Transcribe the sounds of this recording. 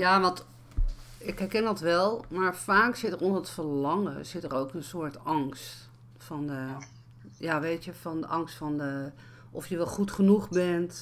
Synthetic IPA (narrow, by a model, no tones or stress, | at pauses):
jaːʋɑnt | ɪkɦɛɹkɛndɑtʋɛlˠmaːɹfaːksɪtərɔndəətfəɹlɑŋə̰z̥ɪtərowkənsʊːɹtɑŋst | fɑndə | jaːʋejtjəfɑndəʔɑŋstfɑndə | ʔɔfjəʋɛlˠχutχənuχbɛnt